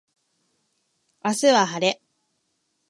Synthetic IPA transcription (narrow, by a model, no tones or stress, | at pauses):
asɨβaɦaɾe̞